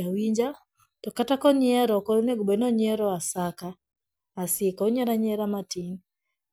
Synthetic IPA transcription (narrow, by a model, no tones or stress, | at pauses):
awiɲd͡ʒa | tɔkatakɔɲɪɛɾɔkɔɾneɡubɛnɔɲɪɛɾɔasakaː | sɪkɔoɲɛɾaɲɛɾamatiŋ